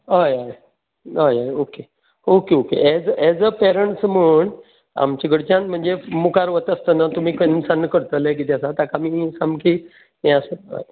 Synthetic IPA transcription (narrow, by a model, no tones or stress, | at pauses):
ɦajaj | ɦajajoke | okeokḛʔɛd͡zɛd͡zəpɛɾəɳʈsm̤əːɳ | a̰mt͡ɕiɡəɽt͡ɕãnm̤əɳd͡zemukaɾʋət̪əst̪ənat̪um̤iːkənsanːkəɾt̪əlek̬it̪jasat̪akamisamki | ẽasəa̰j